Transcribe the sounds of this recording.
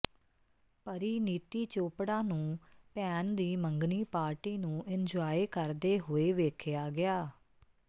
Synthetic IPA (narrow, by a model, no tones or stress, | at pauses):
pəɾiːniːt̪iːt͡ʃoːpɽãːnũːpɛːnd̪iːməŋɡniːpaːɾʈiːnũːʔɪnd͡ʒaːeːkəɾd̪eːɦoːeːʋeːkʰɪjaːɡɪaː